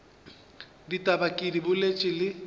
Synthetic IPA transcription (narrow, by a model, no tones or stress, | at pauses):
ditʼabakʼidibʊlet͡ʃʼɪlɪ